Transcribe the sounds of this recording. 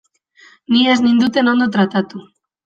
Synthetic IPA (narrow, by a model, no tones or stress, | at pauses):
nieznind̪ut̪e̞no̞nd̪o̞t̪ɾat̪at̪u